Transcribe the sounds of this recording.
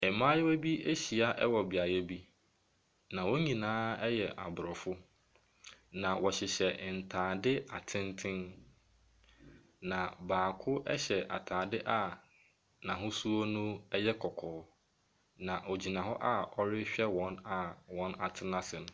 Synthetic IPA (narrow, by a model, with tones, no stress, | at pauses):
ɛ˨mã˦jɛ˦æ˦bi˦e˦ɕi˨a˦ʔɛ˦wɔ˨bi˨a˨jɛ˦bi˦ | nã˨wɔ̃˦ɲĩ˨nãː˦ɛ˦jɛ˨ʔa̰˨bʊ˨ɾɔ˨fʊ˦ | nã˨wɔ˨ɕɪ˨ɕɛ˨n̩˨tʰãː˨dɪ˦a˨tʰɪ̃˦ntʰɪ̃˦n | nã˨baː˨kʰʊ˦ʔɛ̰˦ɕɛ˨ʔa̰˨tʰaː˨dɪ˦ʔa˨ | nã˨ɦʊ̃˦su˦o˦nʊ̃˦ɛ˦jɛ˦kʰɔ˨kʰɔː˨˦ | nã˨ʔo˨d͡ʑi˨nã˨ɦɔ˦ʔa˦ɔ˦ɾɪ˦ɕᶣɛ˦wɔ̃˨˦na˨wɔ̃˦na˨tʰɪ˦nã˦sɪ˨nʊ̃˦